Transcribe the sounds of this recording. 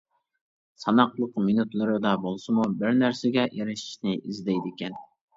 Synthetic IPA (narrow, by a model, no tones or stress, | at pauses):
sɑnɑqlˠəqminut̪lˠɨɾɨd̪ɑbolˠsɨmubɪɾnæɾsɪɡʲɛʔeɾɪʃi̥ʃnɪizd̪ɛjd̪ɪkʲɛn